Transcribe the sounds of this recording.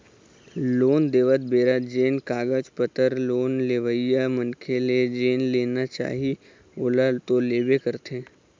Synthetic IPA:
loːnd̪eːʋət̪̚beːɾad͡ʒeːnkaːɡəd͡ʒpət̪əɾloːnleːʋəjamənkʰeled͡ʒeːnleːnat͡ʃa̰ːɦi | oːlat̪oleːbekəɾt̪ʰẽː

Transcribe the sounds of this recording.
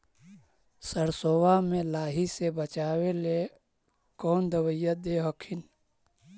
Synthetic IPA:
səɾsoːwamẽlaːɦisebət͡ʃaːwele | kɔːnd̪əwəjəd̪eɦɔkʰɪn

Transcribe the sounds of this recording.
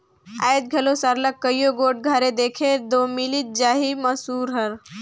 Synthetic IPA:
ajd̪̚ɡʱəlosaɾləkːəjjoɡoːʈ̚ɡʱəɾed̪eːkʰed̪omilit̪̚d͡ʒaːɦiməsuːɾɦəɾ

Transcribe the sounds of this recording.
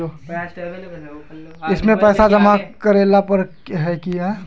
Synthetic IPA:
o | ɪsmẽpɛːsad͡ʒɐmakəɾeːlapəɾ | ɦɛkijaɦɛ

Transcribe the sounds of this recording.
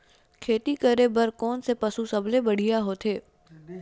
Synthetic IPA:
kʰeːt̪ikəɾebəɾkɔːnsepəsusɐblebəɽ̤ijaɦoːt̪ʰeː

